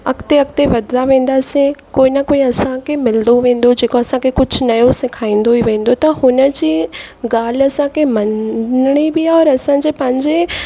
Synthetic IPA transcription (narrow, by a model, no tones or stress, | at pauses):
ɐkt̪eɐk̚t̪eʋɐd̪ʱlaʋẽːn̆d̪asẽkoːinɐkoːĩɐsãkʰemɪld̪oʋẽːn̆d̪od͡ʑeːkoɐsãkʰekʊd͡ʑʱʊnɐjõsɪkʰaːĩːn̆d̪oiʋẽːn̆d̪ot̪ɐɦʊnə̆d͡ʑiːɡaːl̤ɐsãkʰemɐnɽ̃ibiaɔːɾɐsãd͡ʑeːpɐ̃ɦɪ̃ɲd͡ʑe